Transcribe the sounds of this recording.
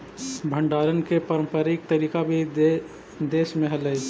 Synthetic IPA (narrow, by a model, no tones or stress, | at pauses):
bʱəɳɖaːɾənkepəɾə̃mpəɾik̚t̪əɾiːkabʱi | d̪eːʃmẽɦələj